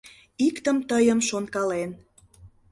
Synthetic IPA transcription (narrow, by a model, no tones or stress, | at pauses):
ikt̪əmt̪əjəmʃonkɑlen